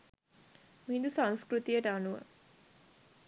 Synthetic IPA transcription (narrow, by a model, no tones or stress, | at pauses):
miɦĩnd̪usãŋskɾut̪ijəʈəanuʋə̰